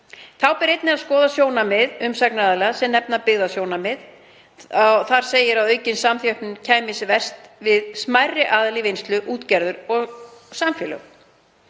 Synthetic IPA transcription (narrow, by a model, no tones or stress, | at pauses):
θʰawpɪɾejt̪nɪaðskɔːðasjoːwnamɪðʏmsɛknaðalɛɣasɛmnɛpnapɪɣðasjoːwnamɪð | awθaɾ̥seːjɪɾawœɥcɪnsamθjœhpnʏncʰaːjmɪsvɛr̥st̪vɪðsmajrːɪʔaːðlɪvejnst̪lʏʔuːt̪cɛɾðʏɾɔɣsamfjɛlœ̰ɣ